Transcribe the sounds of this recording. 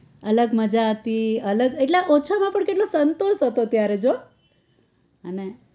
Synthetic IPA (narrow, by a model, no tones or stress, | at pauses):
ələɡməd͡ʒaɦət̪iələɡeʈlaʔot͡ʃʰamãpəɳkeʈ̬losənt̪oʃɦət̪ot̪jaɾed͡ʒo | əne